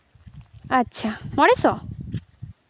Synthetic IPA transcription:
aːʃʰamɔɽesɔ

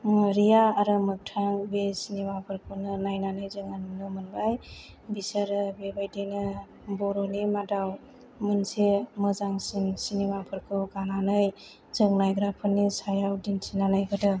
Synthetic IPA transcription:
ɾijaːɾɯmɯk̚tʰaŋbesinimapʰɯɾkʰɯnɯnajnanɯjzɯŋannɯmɯnbaj | bisəɾɯbebajdɯjnɯ | bɔɾɔnimadaw | mɯnsemɯzaŋsinsinimapʰɯɾkʰɯɡananɯj | zɯŋnajɡɾapʰɯnisajawdinsinanajɡɯdɯ

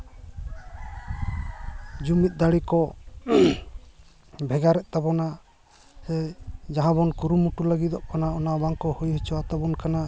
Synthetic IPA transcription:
d͡ʒumit̪̚d̪aɽikɔ | bʱɛɡaɾɛʔt̪abɔna | sɛd͡ʒaɦãbɔnkuɾumuʈuləɡit̪ɔʔkanaɔnabaŋkɔhujɦɛt͡ʃɔwat̪abɔnkana

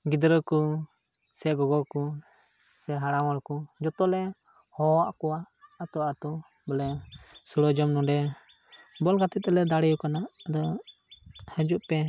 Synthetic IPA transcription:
ɡid̪ɾəku | sɛɡɔɡɔku | sɛɦaɽaŋɔlkud͡ʒɔt̪ɔlɛ | hɔwaʔkuwaʔːt̪ɔat̪ɔ | bɔlɛsuɽɔd͡ʒɔmnɔdɛ | bɔlkat̪ɛt̪̚ɛlɛd̪aɽɛukanaʔd̪ɔ | həd͡ʒuʔpɛ

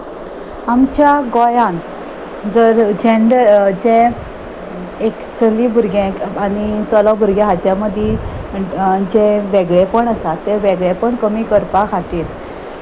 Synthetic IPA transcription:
amt͡ɕjaɡojãn | d͡zəɾd͡ʑeɳɖəɾd͡ʑẽ | ekt͡səlibʱuɾɡẽkanit͡sɔlɔbʱuɾɡjeɦat͡ɕjãməd̪ʱje | d͡ʑẽʋeɡɭepəɳəsat̪ːeʋeɡɭepəɳkəmiːkəɾpakʰaʈiːl

